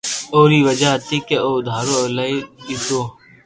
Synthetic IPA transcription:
oːɾiːʋəd͡ʒat̪ikeoːd̪ʱaːɾolaiit̪oː

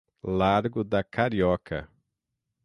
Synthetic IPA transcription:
laɾɡʊd̪ɐkʰaɾiɔkʰɐ̰

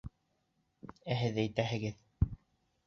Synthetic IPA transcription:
æɦɘðæjt̪æɦɘ̆ɡɘð

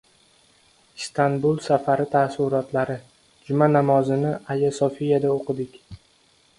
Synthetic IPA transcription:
st̪ʰanbulˠsafaɾɪt̪ʰasʊɾɒt̪ʰlaɾɪ | d͡ʒʊmanamɒzɪnɪajasɒfijad̪aoqʰɨd̪ɪkʲ

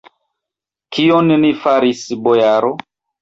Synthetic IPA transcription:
kʰionnifaɾisbojaɾo

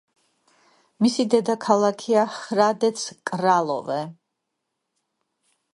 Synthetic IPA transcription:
misid̪ɛd̪akʰalˠakʰiaχɾad̪ɛt̪sʰkʼɾalˠɔ̰vɛ

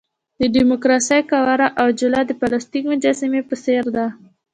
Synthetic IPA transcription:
d̪əɖimʊkɾɑsəjkawaɾaʔawd͡ʒʊlɑd̪əpalast̪ikmʊd͡ʒɑsimepəseɾd̪a

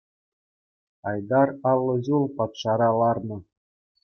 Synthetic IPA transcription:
ɑjd̪ɑrɑlˠːɤ̆ʑulˠpɑt̪ʂɑɾɑlˠɑrnɤ̆

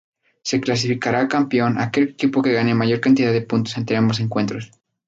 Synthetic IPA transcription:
se̞klas̬ifikaɾakampjo̞na̰ke̞lekipo̞ke̞ɣane̞maʝo̞ɾkant̪iðaðepunt̪o̞se̞nt̪eambo̞s̬e̞ŋkwe̞nt̪ɾo̞s

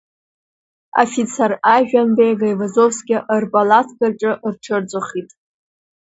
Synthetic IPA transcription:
a̰fit͡sʰaraʒᶣanbejɡajvazovsɡʲɪʔrbalatʰɡarʈ͡ʂʼɨʔrʈ͡ʂʰɨrd͡zʷʼaχitʼ

